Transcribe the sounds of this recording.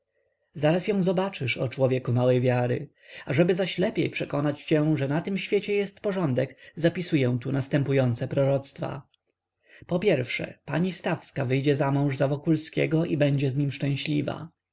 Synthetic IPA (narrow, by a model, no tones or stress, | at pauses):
zaɾasjɔ̃w̃zɔbat͡ʂɘʂɔ̰t͡ʂwɔvʲjɛkumawɛjvʲjaɾɘ̰ | aʐɛbɘzaɕlɛpʲjɛ̰jpʂɛkɔnat͡ɕt͡ɕɛʐɛnat̪ɘmɕfʲjet͡ɕɛjɛst̪pɔʐɔnd̪ɛkzapʲisujɛ̃w̃t̪unast̪ɛmpujɔnt̪sɛpɾɔɾɔt̪st̪fa̰ | pɔpʲjɛɾfʂɛ̰paɲist̪afskavɘjd͡ʑɛzamɔ̃w̃ʐzavɔkulskʲɛ̰ɡɔʔḭbɛɲd͡ʑɛzɲimʂt͡ʂɛ̃w̃ɕlʲiva̰